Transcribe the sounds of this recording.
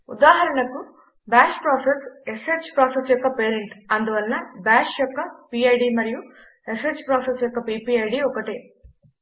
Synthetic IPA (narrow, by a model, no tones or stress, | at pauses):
ṵd̪aːɦɐɾɐɳɐku | baːʃpɾaːsese̞se̞ːt͡ʃpɾaːsesjɔkːɐpe̞ːɾeɳʈɐnd̪uʋɐlnɐbaːʃjɔkːɐpiːɐjɖimɐɾiju | e̞seːd͡ʒpɾaːsesjɔkːɐpiːpiːɐjɖiɔkɐʈeː